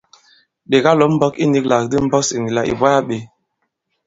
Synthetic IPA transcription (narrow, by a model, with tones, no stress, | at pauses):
ɗe˨ɡa˦lɔ˨˦m̩˦bɔ˦ki˦ni˨˦kla˨k̚di˦m̩˦bɔ˦si˨ŋi˨la˨ʔḭ˨ba˦ja˦ɓe˨˦